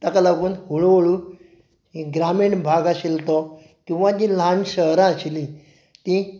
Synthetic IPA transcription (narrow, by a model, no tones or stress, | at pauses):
t̪akalaɡuːnɦuɭʋoɭu | ɦeɡɾameɳbʱaɡaɕilt̪ɔ | kĩw̃ʋãd͡ʑilãnɕəɦɾãəɕli | t̪ĩ